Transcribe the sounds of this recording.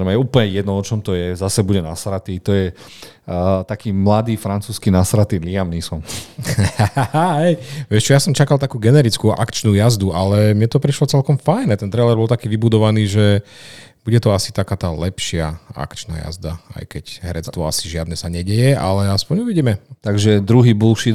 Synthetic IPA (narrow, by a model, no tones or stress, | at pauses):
ɛmɛjɛuːpl̩ɲɛjɛd̪nɔɔt͡ʃɔmt̪ɔjɛzasɛbuɟɛnasɾat̪it̪ɔjɛ | t̪akiːmlad̪iːfɾant͡suːskinasɾat̪iliamnisɔm | aɦɛjʋɪɛʃt͡ʃɔjasɔmt͡ʃakalt̪akuːɡɛnɛɾit͡skuʔa̰kt͡ʃnuːjazd̪ualɛmɲɛt̪ɔpɾiʃlɔt͡sɛlkɔmfajnɛt̪ɛnt̪ɾɛjlɛɾbɔlt̪akiːʋibud̪ɔʋaniːʒɛ | b̥uɟɛt̪ɔasi̥t̪akaːt̪aːlɛpʃɪaa̰kt͡ʃna̰ːja̰zd̪a̰a̰jkɛcɦɛɾɛt͡st̪ʋɔasiʒɪad̪nɛsaɲɛɟɛjɛa̰lɛaspɔɲuʋiɟiːmɛt̪aɡʒɛd̪ɾuɦiːbulʃi